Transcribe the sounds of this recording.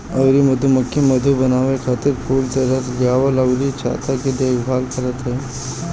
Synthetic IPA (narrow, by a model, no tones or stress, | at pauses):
ɐwɾimɐd̪ʱumɐkːemɐd̪ʱubɐnaːʋekʰaːt̪ɪɾpʰuːlt̪ɐɾət̪ɡaːʋəlɐwɾit͡ʃʰa̰ːt̪aked̪eːɡbʱaːlkɐɾət̪ɦɛː